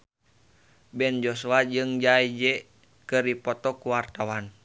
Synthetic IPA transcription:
bɛnd͡ʒosuad͡ʒɨŋd͡ʒaid͡ʒɛ | kɨrdipɔt̪ɔkuwart̪awan

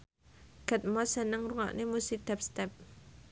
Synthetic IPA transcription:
ɡ̥ət̪̚mɔsənəŋruŋa̰ʔnemusɪk̚d̪̥a̤p̚st̪ɛp̚

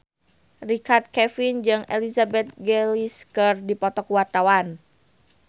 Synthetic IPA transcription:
rikard̪̚kɛfind͡ʒɨŋɛlizabɛt̪̚ɡɛliskɨrdipɔt̪ɔkuwart̪awan

